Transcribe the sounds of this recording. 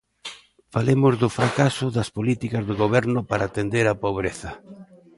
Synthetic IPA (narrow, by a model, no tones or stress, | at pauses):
falemʊzðʊfɾakasʊðɐspolit̪ikɐzðɪɣoβɛɾnʊpaɾaːt̪end̪eɾapoβ̞ɾeθɐ